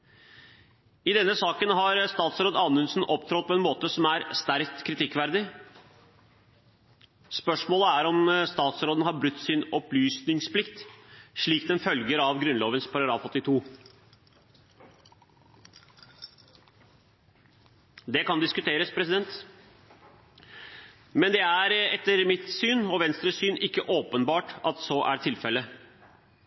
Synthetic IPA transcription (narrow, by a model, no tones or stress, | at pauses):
ɪd̪ɛnːəsɑːkənɦɑɾst̪ɑːt̪sɾoːd̪ɑːnʉnsn̩ʔɔpt̪ʰɾɔt̪̚pʰɔɛnmoːt̪əsɔmæɾst̪æɾkt̪kʰɾɪt̪ʰɪkːʋæɾd̪ɪ | spœʂmoːləæɾɔmst̪ɑːt̪sɾoːd̪nhɑɾbɾʉt̪ːsɪnɔplyːsnɪŋspʰlɪkt̪ʂɭiːkd̪ɛnfœlɡəɾɑʋɡɾʉnloːʋənspʰɑɾɑɡɾɑ̰ːfɔt̪ːɪt̪ʰuː | d̪ɛkɑnd̪ɪskʉt̪ʰeːɾəspʰɾɛsɪd̪ɛnt̪ | mɛnd̪ɛæɾɛt̪ːəɾmɪt̪syːnɔʋɛnst̪ɾəsyːnɪkːəʔoːpənbɑːʈɑt̪sɔːʔæɾt̪ʰɪlfɛlːə